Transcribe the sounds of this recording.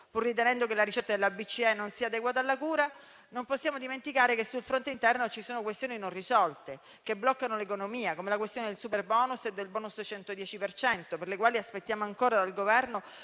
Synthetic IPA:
purːit̪enɛnd̪okelaɾit͡ʃɛt̪ːad̪elːabit͡ʃːiɛnːonsiːad̪eɡwaːt̪̬alːakuːɾa | nomposːjaːmod̪iment̪ikaːɾekesːulfɾont̪eint̪ɛrnot͡ʃisoːnokwest̪joːninõnrisɔlt̪e | keblɔkːanolekonomiːakomelakwest̪joːned̪elsuperbɔːnused̪ːelbɔːnust͡ʃɛnt̪od̪jɛːt͡ʃipert͡ʃɛnt̪operlekwaːliaspet̪ːjaːmoaŋkoːɾad̪alɡovɛrno

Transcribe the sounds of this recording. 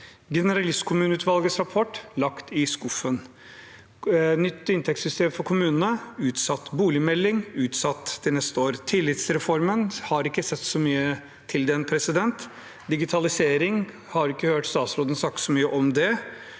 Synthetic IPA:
ɡɛnəɾɑlɪst̪kʰʊmʉːnəʉːt̪ʋɑlɡəsɾɑpʰɔʈːlɑkt̪ɪskɔfən | nʏt̪ːɪnt̪ʰɛksʏst̪eːmfɔɾkʰʊmʉːnənəʉːt̪sɑt̪ːbuːlɪmɛlːɪŋʉːt̪sɑt̪ːd̪̥ɪnɛst̪əoːɾt̪ʰɪlːɪt̪sɾɛfɔɾmənhɑɾɪkːəsɛt̪ːsɔmyːə | t̪ʰɪld̪ɛnpʰɾɛsɪd̪ɛnt̪ | d̪ɪɡɪt̪ʰɑlɪseːɾɪŋ | hɑɾɪkːəhøːʈst̪ɑːt̪sɾoːd̪ən̩sɑk̚t̪sɔmyːəʔɔmd̪ɛ

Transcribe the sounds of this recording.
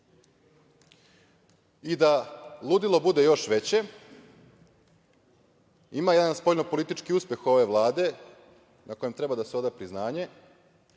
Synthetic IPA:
id̪alˠud̪ilˠo̞bud̪e̞jo̞ʃʋe̞t͡ɕe̞ | imajed̪anspo̞ʎnopo̞lit̪it͡ʃkiuspʲje̞xo̞ʋe̞ʋlˠaːd̪e̞ | nako̞jemt̪ɾe̞bad̪aseo̞d̪apɾiznaːɲe̞

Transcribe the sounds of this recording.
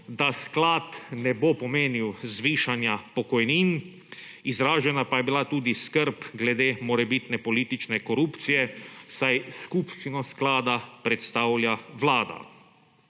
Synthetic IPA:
d̪asklaːt̪nɛbopɔmeːniwzʋiːʃanjapɔkɔjniːn | izɾaːʒɛnapajɛbilat̪uːd̪iskəɾpɡlɛd̪eːmɔɾɛbit̪nɛpɔliːt̪it͡ʃnɛkɔɾuːpt̪sijɛsajskupʃt̪inɔsklaːd̪apɾɛt̪st̪aːwlʲjaʋlaːd̪a̰

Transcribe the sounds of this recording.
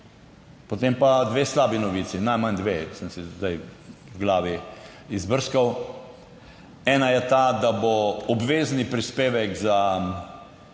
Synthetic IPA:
pɔt̪empad̪ʋeːslaːbinɔʋiːsinajmand̪ʋesəmsizd̪ajɡlaːʋi | izbəɾskaw | ɛːnajɛt̪ad̪aboɔbʋeːznipɾispeːʋɛkza

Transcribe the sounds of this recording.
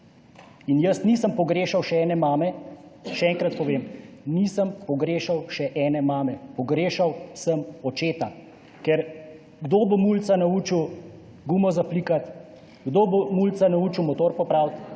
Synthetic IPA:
injəsniːsəmpɔɡɾeːʃawʃɛɛːnɛmaːmɛʃɛɛŋkɾat̪̚pɔʋeːmnisəmpɔɡɾeːʃawʃɛʔɛːnɛmaːmɛpɔɡɾeːʃawsəmɔt͡ʃeːt̪a | kɛɾ | ɡd̪oːbomult̪sanaut͡ʃiw | ɡuːmɔzapliːkat̪ | ɡd̪obomult̪sanauːt͡ʃiwmɔt̪oɾpɔpɾawt̪

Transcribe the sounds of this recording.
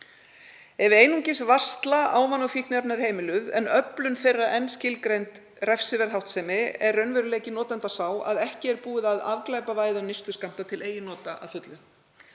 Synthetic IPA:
ɛvɪeːjnuɲcɪsvar̥st̪laʔaːwmanːɔfihknɛɾnaɾ̥heːjmɪlʏðɛnœplʏnfejrːaʔɛnscɪlkɾejnt̪ | rɛfsɪvɛɾθawht̪sɛːmɪɛrœɥnvɛɾʏleːcɪnɔːt̪ant̪asaːwa̰ðɛhcɪɛɾpuːɪðaðavklaːjpavaːjðanɪst̪ʏskam̥t̪at̪ʰɪlʔeːjɪnɔːt̪aa̰ðθʏt̪lʏ

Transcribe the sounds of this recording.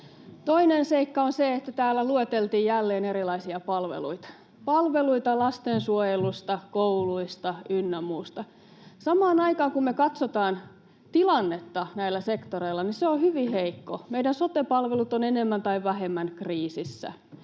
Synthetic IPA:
t̪oinenseikːɑonseet̪ːæt̪æːlːæluet̪elt̪iːjjælːeːneɾilɑisiɑpɑlʋḛlṵit̪ɑ̥ | pɑlʋeluit̪ɑlɑst̪ensuojelust̪ɑkouluist̪ɑynːɑmuːst̪ɑ | sɑmɑːnɑikɑːŋkummekɑt̪sot̪ɑːn | t̪ilɑnːet̪ːɑnæilːˑæsekt̪oreilːˑɑniseohyʋiheikːomeidænsot̪epɑlʋelut̪onenemːænt̪ɑiʋʋæhemːænkriːsisːæ̰

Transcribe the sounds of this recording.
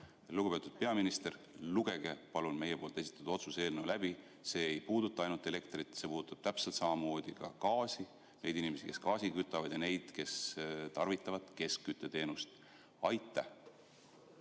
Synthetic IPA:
luɡ̥upe̞t̪ːud̪̥̚pe̞ɑminist̪e̞r | luɡ̥e̞ɡ̥epɑlunme̞jepo̞ːlt̪esi̥t̪ːˑɑd̪̥uo̞t̪suse̞ːlnewlæbi | se̞ːejpuːd̪ut̪ˑːɑɑjnult̪ːˑe̞le̞kt̪rit̪ːˑse̞puːd̪u̥t̪ˑːɑb̥t̪æpselt̪sɑmɑmo̞ːd̪̥ikɑ̰kɑːsi | ne̞jd̪inime̞sike̞skɑːsikyt̪ːˑɑvɑd̪̥jɑne̞jd̪̥ke̞st̪ɑrvit̪ːˑɑvɑd̪̥ke̞skkyt̪ːˑe̞t̪e̞ːnust̪ | ɑjt̪ːˑæ

